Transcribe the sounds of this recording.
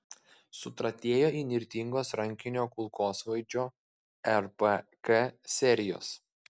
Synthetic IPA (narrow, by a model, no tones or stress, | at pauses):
sʊt̪ɾɐt̪ʲeːjoːiːnʲɪɾʲt̪ʲiŋɡoːsɾɐŋʲkʲɪnʲoːkʊlˠkoːsʋɐɪd͡ʒʲoː | ɛɾpəkɛsʲɛɾʲɪjo̰ːs